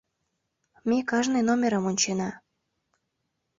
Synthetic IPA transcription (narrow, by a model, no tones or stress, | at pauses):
mʲekɑʒnenomʲeɾəmonʲt͡ɕenɑ